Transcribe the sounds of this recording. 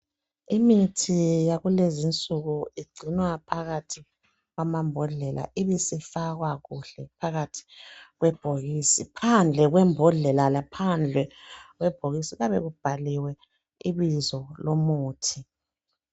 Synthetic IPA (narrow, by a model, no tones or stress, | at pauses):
imitʰijaɣulezint͡sʼuɣuiɡ͡ǀʱinwapʰaɣatʰi | ɣwamambʱɔɮɛlʔa̰iβisifaɣwaɣuɬɛpʰaɣatʰi̥ɣwɛb̥ʱoɣiːsipʰand͡ɮʱɛɣwɛmbʱɔɮɛlalapʰand͡ɮʱɛɣwɛb̥ʱoɣisiɣaβɛɣub̥ʱaliwɛ | iβizɔlomuːtʰi